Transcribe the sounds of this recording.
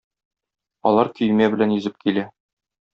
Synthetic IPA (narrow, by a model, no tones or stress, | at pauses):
ɒ̰lˠɑɾkɵ̆jmæbɘ̆lænjɵ̆zɘp̚kʰilæ